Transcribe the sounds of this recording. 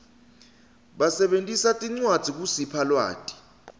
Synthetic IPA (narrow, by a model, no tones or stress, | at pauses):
ɓasɛɓentʼisatʼiŋ͡ǀwad̥ʱik̬usipʰalwa̰ːtʼi̥